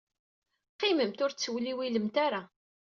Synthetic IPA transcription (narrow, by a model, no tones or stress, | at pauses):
qːiməmt̪ʊɾt͡sːəwliwiləmt̪aɾa